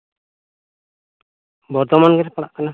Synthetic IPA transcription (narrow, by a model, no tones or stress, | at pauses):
bɔɾt̪ɔmanɡɛɾpaɽaʔkana